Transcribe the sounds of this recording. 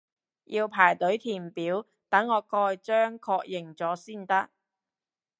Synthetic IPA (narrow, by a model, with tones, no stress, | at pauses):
jʔiː˧wpʰaː˨˩jt̪ɵ˨˥ɥt̪ʰiː˨˩npiː˨˥w | t̪ɐ˨˥ŋːɔː˨˧kɔː˧jt͡ʃœː˥ŋkʰɔː˧k̚jɪ˨˩ŋt͡sɔː˨˥siː˥˩nt̪ɐ˥k̚